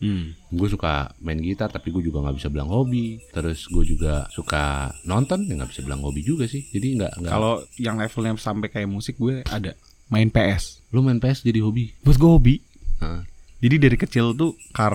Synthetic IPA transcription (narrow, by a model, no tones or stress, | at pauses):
m̩ɡuɛs̬uka̰maɪnɡit̪art̪apiɡuɛd͡ʒuɡaŋɡabisabəla̰ŋhobit̪əɾʊsɡuɛd͡ʒuɡa̰suka̰nɔnt̪ɔnjaŋɡabisabəla̰ŋhobid͡ʒuɡasɪhd͡ʒadiŋɡa̰ʔŋɡaka̰lojaŋlɛfəlɲasampɛkajamusɪk̚ɡuɛa̰da | maɪnpeɛslumaɪnpeɛsd͡ʒadiɦobibuas̬ɡuahobi | əd͡ʒadidaɾikət͡ʃɪlt̪u | ka